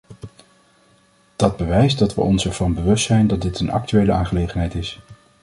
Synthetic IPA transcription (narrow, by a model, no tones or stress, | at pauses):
d̥ɑd̚bəʋɛjsdɑtʋə̰ʔɔnsɛɹv̥ɑnbəʋɵstsɛjndɑt̚dɪtʰənɑ̰k̚tyejləaːnχəlejχənɦɛjtɪs